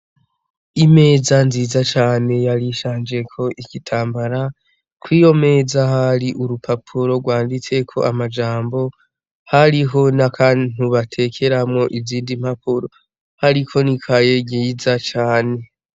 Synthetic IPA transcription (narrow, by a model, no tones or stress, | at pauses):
ime̞ːzanziːzat͡ʃaːne̞jaɾiʃaːnd͡ʒe̞kʰo̞ʔikitʰaːmbaɾa | kwiːjo̞me̞ːzahaɾiʔuɾupapʰuɾo̞ɡwaːndit͡se̞kʰo̞̰amad͡ʒaːmbo̞ | haɾiɦo̞nakʰan̥uβatʰe̞kʰe̞ɾamŋo̞ʔiziːndim̥hapuɾo̞ | haɾikʰo̞nikʰaje̞ɡiːzat͡ʃaːne̞